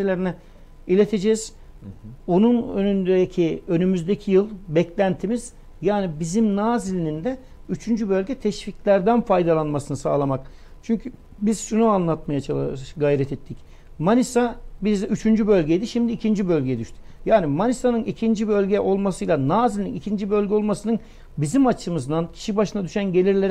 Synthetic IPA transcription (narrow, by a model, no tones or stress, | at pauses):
elʲeɾinɛ | ilʲet̪ʰed͡ʒɛz̥ | o̞nunønynd̪ed̪ecʰiø̞nymyzd̪ecʰijɯlˠbɛclʲænt̪ʰimiz̥ | jaːnibizimnaːzilʲinind̪ɛ | yt͡ʃʰynd͡ʒybø̞lʲɡɟɛt̪ʰɛʃficlʲæɾd̪ænfajd̪alˠanmasɯnɯsa̰ːlˠamak | t͡ʃʰyɲcʰy | bizʃunuanlˠat̪̚majat͡ʃʰalˠɡajɾɛt̪ʰɛt̪ʰːic | manisabizyt͡ʃʰynd͡ʒybø̞lʲɟejd̪iʃimd̪iːcʰind͡ʒibø̞lʲɟeɛd̪yʃt̪ʰy̥ | jaːnimanisanɯnicʰind͡ʒibø̞lʲɟɛʔo̞lˠmasɯjlˠanaːzilʲininicʰind͡ʒibø̞lʲɟʲɛo̞lˠmasɯnɯn | bizimat͡ʃʰɯmɯzd̪ancʰi̥ʃibaʃɯnad̪yʃænɟe̞lʲiɾlʲeɾ